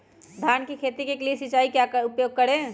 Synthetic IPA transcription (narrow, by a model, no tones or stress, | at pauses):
d̪ʱaːnkikʰeːt̪ikekliesɪt͡ʃaːikjaːʊpjoːɡ̚kɐɽẽː